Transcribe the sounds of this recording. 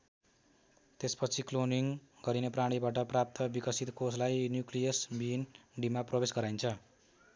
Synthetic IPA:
t̪espʌt͡sʰikloniŋɡʌɾinepraɽ̃ibaʈʌprap̚t̪ʌbikʌsit̪koslajnjuklijʌsbinɖimaprʌbesɡʌɾajnt͡sʰʌ

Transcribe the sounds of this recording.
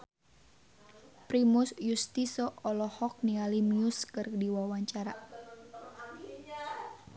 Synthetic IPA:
pɾimusjust̪isɔʔɔlɔhɔk̚nialimiuskɨrdiwawaɲt͡ʃaɾa

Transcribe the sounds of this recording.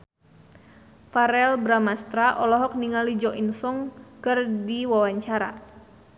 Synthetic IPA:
faɾɛlbɾamast̪ɾaʔɔlɔɦɔk̚niŋalid͡ʒɔʔinsɔŋkɨrdiwawaɲt͡ʃaɾa̰

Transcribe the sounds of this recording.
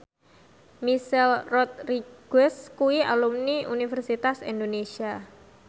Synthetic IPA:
misɛlrɔt̪̚riɡ̥əskuia̰lumniunifərsit̪asind̪onesia

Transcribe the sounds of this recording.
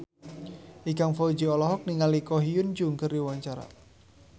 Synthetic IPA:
ʔiɡaŋfɔd͡ʒiɔlɔɦɔk̚niŋalikɔɦiʊnd͡ʒuŋkərdiwaɲt͡ʃaɾa̰

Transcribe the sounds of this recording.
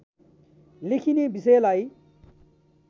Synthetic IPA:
likʰinebisejlaj

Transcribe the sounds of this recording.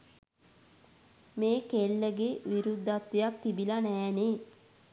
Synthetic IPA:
meːkelːəɡeʋiɾud̪ːat̪ːejak̚t̪ibilanɛːne

